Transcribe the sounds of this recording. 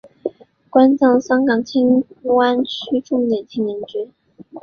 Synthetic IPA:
kwa˥nt͡sɑ˥˩ŋɕjɑ˥ŋkɑ˨˩ŋt͡ɕʰi˥ŋ˥wa˥nt͡ɕʰy˥ʈ͡ʂʊ˥˧ŋljɛ˨˩nt̪ʰi˥ŋnɛ˧˥nʈ͡ʂɛ˥

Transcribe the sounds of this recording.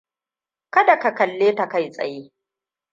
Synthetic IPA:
kɐ˦da˨ka˨kɐ˨lːeː˦ta˨ka˦jsʼɐ̰˨jeː˦

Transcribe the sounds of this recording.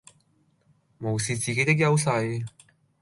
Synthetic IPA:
mo˨˩wsiː˨t͡siː˨ke˧˥jt̪ɪ˥k̬̚jɐ˥wsɐ˧j

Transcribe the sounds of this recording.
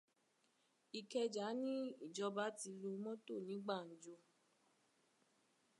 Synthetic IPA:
i˨kɛ˧d͡ʒa˨˦nĩ˦i˦˨d͡ʒɔ˧ba˨˦ti˧lo˧mɔ̃˦to˦˨nĩ˨˦ɡ͡ba˦˨n̩˨d͡ʒo˧

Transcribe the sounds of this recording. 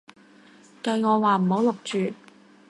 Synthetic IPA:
kɐ˧jŋɔː˨˧waː˨m̩˨˩ho˨˥wlʊ˨k̚t͡ʃyː˨

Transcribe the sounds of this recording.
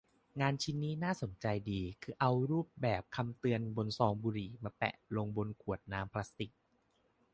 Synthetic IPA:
ŋaː˧nt͡ɕʰi˦˥nːiː˦˥naː˥˩so˩˦nt͡ɕa˧jdiː˧kʰɯː˧ʔa˧wɾuː˥˩p̚bɛː˨˩p̚kʰa˧mt̪ɯ˧ənbo˧nsɔː˧ŋbuː˧ɾiː˨˩maː˧pɛ̰˨˩ʔlo˧ŋbo˧nkʰu˨˩ət̪̚naː˦˥mpʰla˦˥st̪i˨˩k̚

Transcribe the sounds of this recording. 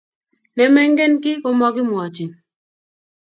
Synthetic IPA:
nɛ˨mɛ˦ŋɡe˦nkɪ˦kɔ˦mɔ˦kɪ˦mwɔ˨t͡ʃi˨

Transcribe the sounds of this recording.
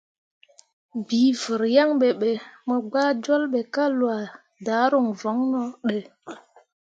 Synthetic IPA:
biː˨˦və˨ɾja˦ŋɓe˨ɓe˨mə˨ɡ͡baː˦d͡ʒɔ˦lɓe˨ka˦lwa˨ | daː˨˦ɾu˦˨ŋvɔ˨˦ŋnɔ˦ɗe˨

